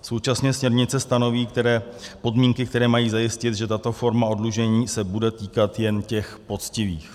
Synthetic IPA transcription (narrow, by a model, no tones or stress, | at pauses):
so̞wt͡ʃasɲɛsmɲɛɾɲɪt͡sɛst̪ano̞viːkt̪ɛɾɛːpo̞dmiːŋkɪkt̪ɛɾɛːmajiːzajɪscɪt̪ʒɛt̪at̪o̞fo̞ɾmao̞dluʒɛɲiːsɛbudɛt̪iːkat̪jɛncɛxpo̞t͡scɪvḭːx